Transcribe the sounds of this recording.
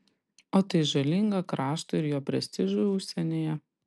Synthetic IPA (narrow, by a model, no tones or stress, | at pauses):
oːt̪ɐɪʒɐlʲɪŋɡɐkɾɑːʃt̪ɐɪɾjoːpʲɾʲɛsʲt̪ʲɪʒuʊʊʃʲsʲɛnʲeːjɛ